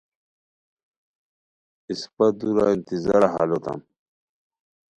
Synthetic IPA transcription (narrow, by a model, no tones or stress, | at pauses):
ispɐd̪uɾa̰int̪izaɾaɦalot̪a̰m